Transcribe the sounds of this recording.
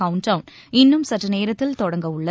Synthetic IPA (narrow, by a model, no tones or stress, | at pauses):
ɐʊɳʈɐʊn | ɪnːɯmsɐʈrɐneːɾɐt̪ːɪlt̪ɔɽɐŋɡɐʋʊɭːɐ